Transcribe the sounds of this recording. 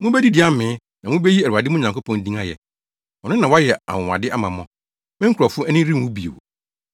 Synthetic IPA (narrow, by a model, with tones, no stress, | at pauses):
mʊ̃˦bɛ˦di˦dɪ˨˦a˦mɪ̃ː˨˦ | nã˨mʊ̃˦be˦ji˦æ˨ɾu˨a˨dɪ˦mʊ̃˦ɲã˨ko˦pʰɔ̃˨n̩˦dĩ˦ŋa˦jɛ˨ | ɔ˨nʊ̃˦nã˨wa˦jɛ˨a̰˨wʊ̃˨wa̰˨dɪ˦ʔa˦mã˨mɔ̃˦ | mɛ̃˦ŋ̩˦kʰɾɔ˨fʊ˦ɛ˦nɪ̃˦ɾi˦˨wũ˦bi˨ḛ˨wo̰˨